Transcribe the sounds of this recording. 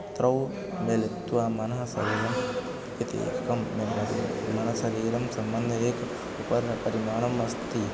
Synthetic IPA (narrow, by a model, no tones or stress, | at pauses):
t̪ɾɐw | melet̪uamɐnɦɐsɐ̰ɾiːɾɐm | kit̪eḛːkkɐmːeɐmɐnɐɦsɐɾiːɾɐmsɐmbɐnd̪ʱeːk | upɐɾpɐɾimaːɳ̃ɐmʋɐst̪i